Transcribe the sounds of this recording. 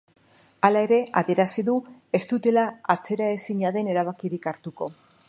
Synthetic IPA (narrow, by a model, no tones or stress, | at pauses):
alae̞ɾe̞a̰ðie̞ɾasiðue̞st̪ut̪e̞laat͡se̞ɾae̞siɲaðe̞ne̞ɾaβ̞akiɾikaɾt̪uko̞